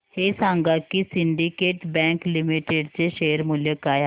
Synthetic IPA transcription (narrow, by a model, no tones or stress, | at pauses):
heːsãːŋɡakisɪɳɖikeːʈbɛ̃ːŋklimiʈeɖt͡ɕeʃeːəɾmuljekaːj